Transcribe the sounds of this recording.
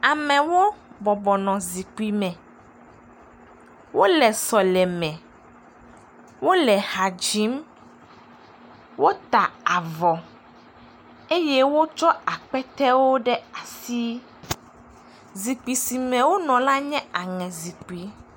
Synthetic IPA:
a˨mɛ̃˨wo˦bɔ˨bɔ˨nɔ̃˨zi˨k͡pi˨mɛ̃˨ | wo˦lɛ˨sɔ˨lɛ˨mɛ̃˨ | wo˦lɛ˨ha˨d͡ʒi˨˦m | wo˦t̪a˨a˨vɔ˨ | e˦jɛ˦wo˦t͡ʃɔ˦a˨k͡pɛ˦t̪ɛ˦wo˦ɖɛ˦a˨si˦ | zi˨k͡pi˨si˨mɛ̃˨wo˦nɔ̃˨la˦ɲɛ̃˦a˨ŋɛ̃˨zi˨k͡pi˨˦

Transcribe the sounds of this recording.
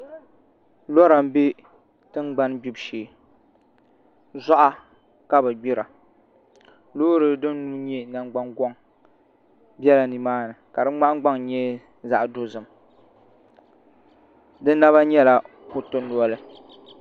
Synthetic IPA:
lɔ˦ɾa˨m˦be˦ | tɨ˦ŋɡ͡ba˦nbi˦bʃeː˨ | za˦ʔa˦ | ka˦bɨ˨ɡ͡bi˦ɾa˨ | loː˦ɾɨ˦dɨ˦n˦nu˦ɲɛ˦na˨ŋ˦ɡ͡ba˦ŋɡɔ˦ŋ | bɛ˦la˨ni˨maː˦nɨ˨ka˨dɨ˦ŋ͡ma˦ʔɡ͡ba˦ŋɲɛ˦ | za˨ʔdo˦zɨ˨m | dɨ˦nːa˦βa˦ɲɛ˦la˨ | hʊ˦tʊ˦n˦lu˦ɔ˦lɨ˦

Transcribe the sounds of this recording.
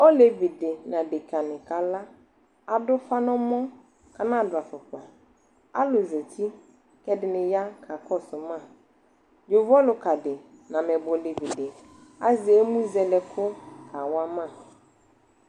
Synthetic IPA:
ɔ˦le˨vi˨dɪ˨nã˨dɪ˨ka˨nɪ̃˨ka˨la˦ | a˨dʊ˦fa˦nɔ̃˦mɔ̃˦ | ka˨nã˦˨dʊ˨a˨fʊ˨k͡pa˨ | a̰˦lʊ˨ze˨tʰi˦ | kɛ˦dɪ˨nɪ̃˨ja˦kʰa˨kʰɔ˦sʊ˨mã˦˨ | d͡ʒʊ˨vɔ˦lʊ˨ka˨dɪ˨nã˨mɛ˨bʊ˨le˨vi˨dɪ˨ | a˦zɪ˨e˦mũ˦zɛ˨lɛ˨kʰʊ˦kʰa˨wa˦mã˦˨

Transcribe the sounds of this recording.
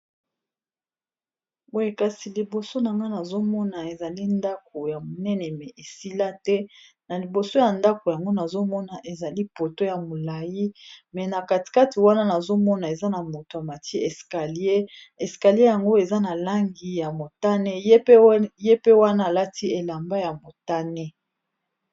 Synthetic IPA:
o˦je˨ka˨si˨li˨bo˨so˦na˨ŋɡa˦na˨zo˦mɔ˦na˨e˨za˨li˦nda˦k̚o˨ja˨mo˨nɛ˦nɛ˨mɛ˨ʔe˨si˦la˦tɛ˦ | na˨li˨bo˨so˦ja˨nda˦ko˨ja˨ŋɡo˦na˨zo˦mɔ˦na˨ʔe˨za˨li˦po˨to˦ja˨mo˨la˨ji˦mɛ˨na˨ka˨ti̥˨ka˦ti˨wa˦na˦na˨zo˦mɔ˦na˨e˨za˦na˨mo˨to˨a˨ma˨tʰi˦ɛ˨ska˨li˦e˦ | ɛ˨ska˨li˦e˦ja˨ŋɡo˦e˨za˦na˨la˦ŋɡi˨ja˨mo˨ta˦nɛ˦je˦pje˦pe˦wa˦naː˦˨la˦tʰi˦e˨la˨mba˦ja˨mo˨ta˦nɛ˦

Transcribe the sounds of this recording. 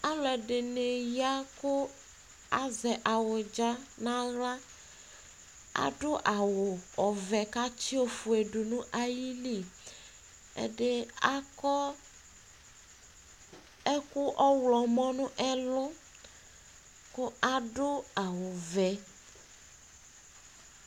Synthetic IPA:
a˦lɛ˨ɖɪ˨ne˨ja˦kʊ˦ | a˦zɛ˨ʔa˨wʊ˨d͡ʒa˦nã˦ɣla˦ | a̰˨ɖʊ˦ʔa˨wʊ˨ɔ˨vɛ˨ka˦t͡ʃi˦o˦fu˨e˨ɖu˨nũ˦ʔa˦ji˦li˦˨ | ḛ˦ɖe˦a˦kɔ˦ | ɛ˦ku˦ʔɔ˦wlɔ˨mɔ̃˦nũ˦ʔɛ˦lʊ˦ | kʊ˦a˦ɖʊ˦a˨wʊ˨vɛ˨

